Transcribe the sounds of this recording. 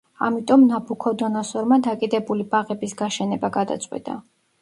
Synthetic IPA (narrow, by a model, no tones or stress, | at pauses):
a̰mit̪ʼɔmnabukʰɔd̪ɔnɔsɔɾmad̪akʼid̪ɛbulibaʁɛbisɡaʃɛnɛbaɡad̪at̪sʼwḭt̪ʼa̰